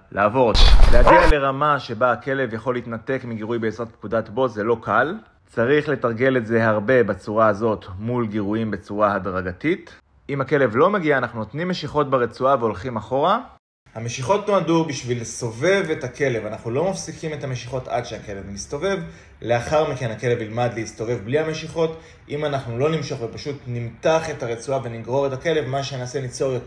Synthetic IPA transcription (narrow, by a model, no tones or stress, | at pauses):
laːvo̞ʁd̪leaɡiale̞ʁamaʃe̞baːke̞le̞vjaχo̞lːiitnate̞kmiɡiʁujbeːsʁatp̚kudatbo̞zelo̞kal | t͡saʁiχle̞taʁɡe̞letze̞ɦaʁbe̞bat͡suʁaːzo̞tmulɡiʁuimbet͡suʁahadʁaɡatit | imhake̞le̞vlo̞meɡiaːnaχnuno̞t̪nimːe̞ʃiχo̞t̚beʁet͡suaveo̞lχimaχo̞ʁa | hame̞ʃiχo̞tnoadubiʃvileso̞ve̞ve̞thake̞le̞vanaχnulo̞mafsikime̞thameʃiχo̞ta̰dʃeake̞levmisto̞ve̞v | le̞aχaʁmike̞nake̞levilmadleisto̞ve̞vblihame̞ʃiχo̞t | ʔimanaχnulo̞nimʃo̞χvepaʃutnimtaχe̞taʁet͡suave̞niɡʁo̞ʁetake̞le̞vmaʃeneaːsenit͡soʁjot